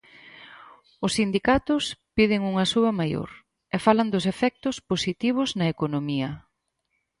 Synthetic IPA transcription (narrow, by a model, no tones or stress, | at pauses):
ʊsːind̪ikat̪ʊspiðɪŋuŋɐsuɐmajo̰ɾ | ɛfalɐnd̪ʊsefɛk̚t̪ʊsposit̪iβ̞ʊznɐekonomiɐ